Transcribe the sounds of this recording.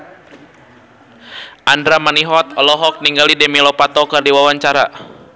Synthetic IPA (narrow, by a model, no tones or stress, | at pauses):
ʔandɾamaniɦɔt̪ɔlɔɦɔk̚niŋɡalidɛmilɔpat̪ɔkərdiwawaɲt͡ʃaɾa